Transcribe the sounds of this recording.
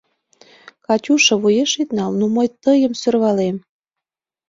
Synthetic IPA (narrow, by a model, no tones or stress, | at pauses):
kɑt͡ɕʲuʃɤ̆βujeʃit̪nɑlnuməjt̪əjəmsørβɑlem